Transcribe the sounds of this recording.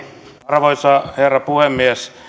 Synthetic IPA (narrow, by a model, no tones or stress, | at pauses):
rʋoisɑːherːɑpuhemːies